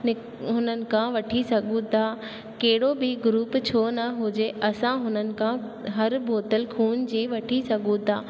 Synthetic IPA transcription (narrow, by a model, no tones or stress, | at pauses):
nɪ | ɦʊnənɪ̆kʰãʋɐʈʰisɐɡʱũt̪ʰa | kɐɦɪɽobɪɡʊɾuːpt͡ɕʰoːnɐɦʊd͡ʑeʔɐsãɦʊnənɪ̆kʰã | ɦɐɾbʱoːt̪əlkʰuːnd͡ʑiːʋɐʈʰisɐɡʱũt̪ʰaː